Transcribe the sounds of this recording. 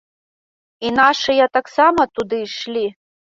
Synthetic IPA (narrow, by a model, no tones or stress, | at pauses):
inaʂɨjɐt̪aksamɐt̪ud̪ɨʂlʲi